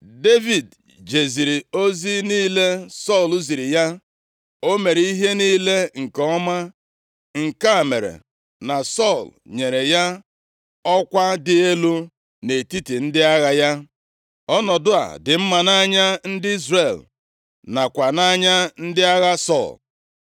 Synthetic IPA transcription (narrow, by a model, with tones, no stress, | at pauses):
de˦vi˨d | d͡ʒe˨zi˨ɾi˨o˦zi˦niː˦le˦sɔ˦˨lu˦zi˨ɾi˨ja˦ | o˦me˨ɾi˦ɦe˦niː˦le˦ŋ̩˨ke˨ɔ˦ma˦ | ŋ̩˨ka˦˨me˨ɾḛ˨ | na˨sɔ˦˨lɲe˨ɾe˨ja˦ | ɔ˦kʷa˦dɪ˨e˦lu˦ | ne˨ti˦ti˨n̩˦dɪ˦a˦ɣa˦ja˦ | ɔ˦nɔ˨dʊ˦a̰˨dɪ˨m̩˦ma˨na˦ɲa˦n̩˦dɪ˦i˦zre˨l | na˨kʷa˨na˦ɲa˦n̩˦dɪ˦a˦ɣa˦sɔ̰˦˨l